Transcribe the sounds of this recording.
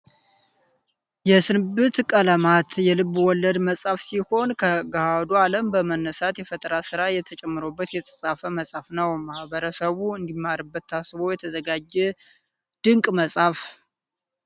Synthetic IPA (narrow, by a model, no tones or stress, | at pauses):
jɛsɨnɨbɨt̪kʼələmat̪jɛlɨβːwɔlːəd̪məsʼafsiho̞nkʰəɡahad̪ualəmbəmənːəsat̪jɛfət̪ʼəɾasɨɾajɛt̪ʰət͡ʃʼɛmːɨɾo̞bːət̪jɛt̪ʰʼəsʼafəməsʼafnəwmahbəɾəsəβuɨnd̪imːaɾɨbːət̪ːasɨβo̞jɛt̪ʰəzəɡad͡ʒːɛ | d̪̥ɨŋkʼməsʼaf